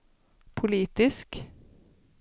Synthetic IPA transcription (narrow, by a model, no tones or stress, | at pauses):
pʰʊliːt̪ɪsk